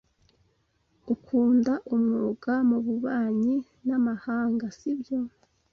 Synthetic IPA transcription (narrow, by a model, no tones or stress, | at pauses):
ukʰuːndaʔumŋoːɡamuβuβaːɲi | namahaːŋɡasibjo̞